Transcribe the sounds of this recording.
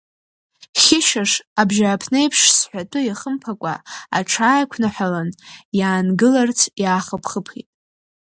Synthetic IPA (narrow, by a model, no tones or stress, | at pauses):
χʲɪʃaʂabʒaːpʰne̞jpʰʂsħʷatʼɨjaχəmpʰakʷʼa̰a̰ʈ͡ʂʰaːjkʷʰnaħʷᶣalanjaːnɡɨlart͡sʰjaːχapʰχəpʰχḭtʼ